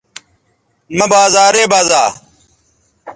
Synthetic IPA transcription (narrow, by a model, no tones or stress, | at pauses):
mɐbaːzaːɾeːbaːzaː